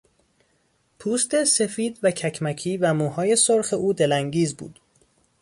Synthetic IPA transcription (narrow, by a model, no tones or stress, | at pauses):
pʰuːst̪ese̞fiːd̪væcʰæcʰmæckʰiːvæmuːhɒːje̞soɾxeʔuːd̪e̞læŋɟiːzbṵːd̪̥